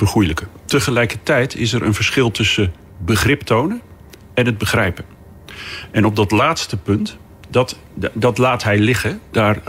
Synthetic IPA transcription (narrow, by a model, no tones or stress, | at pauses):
vərχujləkətəχəlɛjkəɹtɛjtʰɪs̬ɛɾʔə̰nvəɹsχɪlˠtɵsə | bəχrɪptownən | ɛnɦəd̚bəχrɛjpən | ɛnɔb̚dɑtlaːtstəpɵnt | dt | dɑtlaːtɦɛjlɪχədaːr